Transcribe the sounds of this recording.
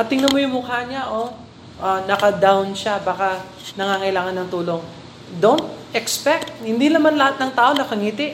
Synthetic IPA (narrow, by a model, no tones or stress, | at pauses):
ɐt̪ɪŋnɐmojʊŋmʊhaɲaʔo | ʔanɐkɐd̪awnʃabaːkɐ | nɐŋaːŋɐʔɪlaːŋɐnːɐŋt̪uːlo̞ŋ | d̪ont̪̚ʔɛkspɛk̚t̪̚hɪnd̪inɐmanlɐhat̪nɐŋt̪aːʔo̞nɐkɐŋiːt̪ɪʔ